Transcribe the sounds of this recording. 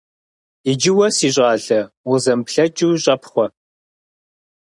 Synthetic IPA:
id͡ʒɪwɐsiːɕ̬ʼɑːɮɐ | ʊzɐmpɬɐt͡ʃʼuːɕʼɐpχʷɔ

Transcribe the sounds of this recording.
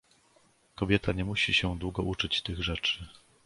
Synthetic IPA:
kɔbʲjɛt̪ʰaɲɛmuɕiɕɛd̪wuɡɔʔut͡ʂɘt͡ɕt̪ɘɣʐɛt͡ʂɘ

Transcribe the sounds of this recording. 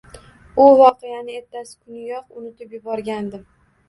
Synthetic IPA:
ʊvɒqejanɪe̞t̪ʰːasɪ̥kʰʊnɪjɒqʊnɪt̪ɪpjʊbɒɾɡʲand̪ɪm

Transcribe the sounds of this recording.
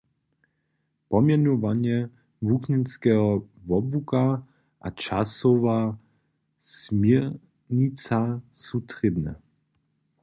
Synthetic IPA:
pɔmjɛnɔvaɲjɛ | vukɲɛnskɛɦɔvɔbvuka | ʔa̰t͡ʃasɔva | smjɛ | ɲit͡sasut̪ʁɪbnɛ̰

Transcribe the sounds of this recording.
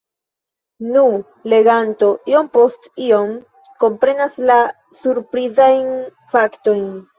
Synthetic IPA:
nu | le̞ɡanto̞ʔio̞mpostio̞m | ko̞mpɾe̞nasla | suɾpɾizajn | fakto̞jn

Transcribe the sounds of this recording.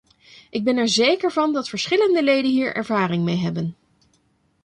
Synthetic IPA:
ʔɪɡ̚bɛnɛɹzejkəɹvɑndɑtfəɹsχɪləndəlejdənɦiːɹʔɛ̰ɹvaːrɪŋmejɦɛbən

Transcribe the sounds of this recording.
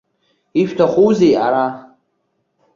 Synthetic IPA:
ift̪ʰaχuːziaɾa

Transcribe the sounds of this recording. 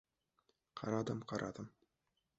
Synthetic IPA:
qʰɑɾɑd̪ɤmqʰɑɾʔɑ̰d̪ɤm

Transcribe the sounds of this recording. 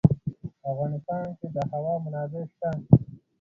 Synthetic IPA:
afɣɑːnɪst̪ɑːnked̪əhawɑːmʊnɑːb̪eʃt̪a

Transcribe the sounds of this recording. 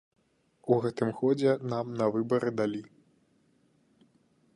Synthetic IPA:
uɣɛt̪ɨmxɔd͡zʲɛnamnɐvɨbɐɾʔɨd̪alʲi

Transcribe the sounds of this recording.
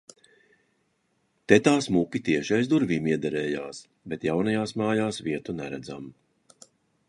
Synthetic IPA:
t̪ɛt̪aːsmupʲit̪iɛʃajzd̪uɾvʲiːmiɛd̪aɾɛːjaːs | bɛt̪jawnɐjaːsmaːjaːsviɛt̪unɛɾæd̪zam

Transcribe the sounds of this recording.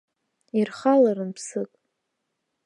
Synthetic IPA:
irχalaɾɨnpʰsɨkʼ

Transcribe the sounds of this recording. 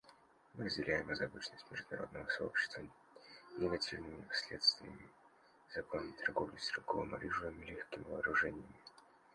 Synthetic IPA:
mɨɾəzʲdʲɪlʲæjɪmɨzɐbɨt͡ɕnəsʲtʲmʲɪʐd̪ʊnɐɾo̞d̪nəvəsɐo̞̰pɕːɪ̥st̪və | nʲɪɡɐtʲivnɨmʲɪsʲlʲe̞̰t̪st̪vʲɪjə̰mʲɪ | zɐkonəmʲɪt̪ʰɐrɡo̞vlʲʊsʲɪɾɪlˠɡovə̰mɐ̰ɾʲiʐɨəmʲɪlʲexkʲɪmʲɪvɐːɾʊʐɛnʲɪjəmʲɪ

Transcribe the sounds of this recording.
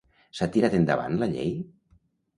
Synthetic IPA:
sat̪iɾat̪end̪a̰βa̰nlaʎḛj

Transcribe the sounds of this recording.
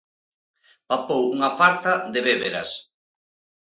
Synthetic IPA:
papowuŋafaɾt̪aðeβeβeɾɐ̰s

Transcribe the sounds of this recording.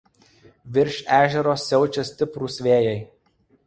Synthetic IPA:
ʋʲɪɾʲʃʲæːʒʲɛɾoːsːʲɛʊt͡ʃʲɛsʲt̪ʲɪpɾuːˑsʲʋʲeːjɛɪ

